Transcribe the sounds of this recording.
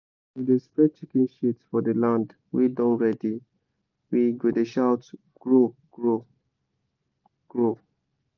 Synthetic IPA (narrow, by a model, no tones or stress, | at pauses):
widespɹɛt͡ʃikĩnʃitsfɔdəlãnd | widɔ̃nɹɛdi | wiɡedeʃaʊt | ɡ̥ɹoɡɹo | ɡ̥ɹo